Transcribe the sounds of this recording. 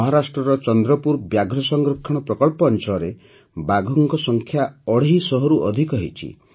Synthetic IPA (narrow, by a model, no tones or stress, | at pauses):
ɔɦɔɾasʈɾɔɾɔt͡ʃɔnd̪ɾɔpuɾbjaɡʱɾɔsɔŋɡɾokʰːɔɽ̃ɔpɾɔkɔɭpɔːnt͡ʃɔɔɾe | baɡʱɔŋkɔsɔŋkʰjaɔɽ̤eɦisɔɦɔɾuʔɔ̰d̪ʱikɔɦḭt͡ʃʰḭ